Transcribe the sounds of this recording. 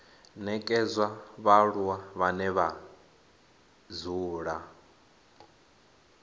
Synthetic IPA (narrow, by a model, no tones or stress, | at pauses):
nɛkʼɛzʷwaβaɺuwaβanɛβa | zuːɺa